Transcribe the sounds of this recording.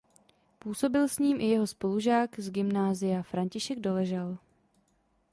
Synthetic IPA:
puːso̞bɪlsɲiːmʔɪjɛɦo̞spo̞luʒaːɡzɡɪmnaːzɪjafɾaɲcɪʃɛɡdo̞lɛʒal

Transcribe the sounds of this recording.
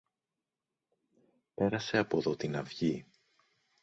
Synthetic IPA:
pe̞ɾɐse̞ɐpo̞ðo̞t̪inɐvʝi

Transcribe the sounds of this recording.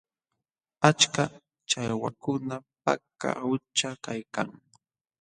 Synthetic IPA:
at͡ʃka | t͡ʃajwakʊnapa̰ka̰ʊt͡ʃakajkaŋ

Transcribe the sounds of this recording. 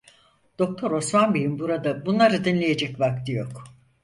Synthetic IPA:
d̪̥o̞k̚t̪ʰo̞ɾo̞smanbijinbuɾad̪abunlˠaɾɯd̪inlʲeje̞d͡ʒɛcvak̚t̪ʰijo̞k

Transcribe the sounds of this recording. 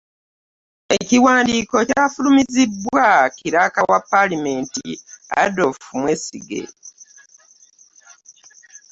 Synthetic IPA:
e̞ciwaːndiːko̞cafulumizibwwakiɾakawapːalime̞ːntḭa̰do̞fumwe̞sḭɡe̞̰

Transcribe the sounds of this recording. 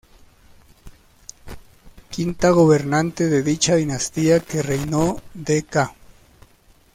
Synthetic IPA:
kint̪aɣoβe̞ɾnant̪eðeðit͡ʃaðinast̪iakerejnod̪eka

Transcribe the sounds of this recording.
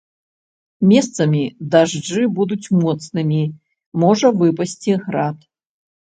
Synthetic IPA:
mʲɛst̪sɐmʲid̪aʐd͡ʐɨbud̪ut͡sʲmɔt̪snɨmʲi | mɔʐɐvɨpɐsʲt͡sʲiɣɾat̪

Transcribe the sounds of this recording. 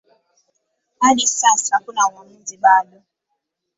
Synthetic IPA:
adɪsasakʊnaŋɔn̩dɪɓadʊ

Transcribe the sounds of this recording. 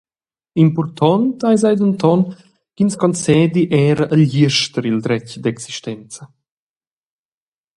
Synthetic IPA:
impɔrt̪ʰɔnt̪ajzajd̪ənt̪ɔn | kinskɔnt͡sɛːd̪iʔɛːɾəʔəljiəʃt̪əɾild̪ɾɛcd̪ɛksiʃt̪ɛnt͡sə

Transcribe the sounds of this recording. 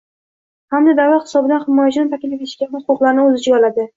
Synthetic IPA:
hamd̪ad̪awahɪ̥sɒbɪd̪anhɪmɒjat͡ʃʰɪnɪfakʲɪlɪpʲeɪʃkʲanɪhʊqʊqlˠaɾnɪɵzɪd͡ʒt͡ʃɪɡɒlad̪ɪ

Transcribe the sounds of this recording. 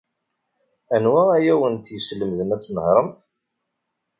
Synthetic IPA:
ænwææjæwənt̪jəslːəmðənæt͡sːnəhɾˤəmθ

